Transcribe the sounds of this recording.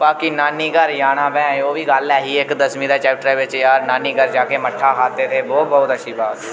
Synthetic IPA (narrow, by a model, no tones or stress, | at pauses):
baːkinaːniːɡəɾjaːɽãːbɛ̃ːoːbʱiɡalɛːɦiekd̪əsmĩːd̪aːt͡ʃɛːp̚ʈɾaːʋət͡ʃjaːɾnaːniːɡəɾd͡ʒaːkeməʈʰːakʰaːt̪et̪ʰeːboːbəɦʊt̪əʃʰiːbaːd̪